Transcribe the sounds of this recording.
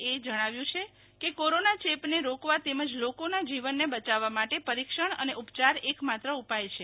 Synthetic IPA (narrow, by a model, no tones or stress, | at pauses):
ed͡ʒəɽ̃aʋjũt͡ʃʰe | kekoɾonat͡ʃepneɾokʋat̪eməd͡ʒlokonad͡ʒiʋənːebət͡ʃaʋːamaʈepəɾikʃəɳ̃ə̰neʔupt͡ʃaɾekmat̪ɾəupajt͡ʃʰe